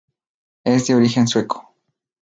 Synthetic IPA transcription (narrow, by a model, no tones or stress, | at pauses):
es̬d̪eoɾixenswekʰo̥